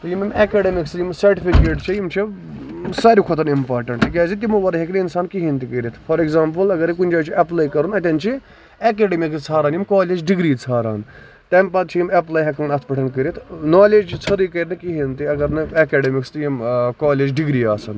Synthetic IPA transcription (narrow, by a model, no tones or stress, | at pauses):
t̪ɐjimimeːkeːɖemɪksjimsɐɾʈipikeːʈt͡ʃʰijimt͡ʃʰi | saːɾikʰot̪ɐnimpaːɾʈɐɳʈikʲaːzit̪imuʋɐɾɐɦɐkniinsaːnkiɦint̪ikəɾit̪ʰfʰɐɾeɡzaːmpɐlɐɡɐɾik̬unʲd͡ʒaːt͡ʃʰiʔɐplaːjkɐɾunɐt̪ʲɐnt͡ʃʰi | ek̬eːɖemikst͡sʰaːɾaːnjimkaːleːd͡ʒɖɪɡɾiːt͡sʰaːɾa̰ːn | t̪empɐt̪t͡ʃʰijimeplaːjɦɐkʰɐmɐnɐt̪̚ʰpɐʈʰɐnkəɾit̪ʰnaːleːd͡ʒt͡ʃt͡sʰɐɾikɐɾnɨkiɦint̪iɐɡɐɾnɨɐːkeːɖemɪkst̪ijimkaːleːd͡ʒɖɪɡɾiːaːsɐn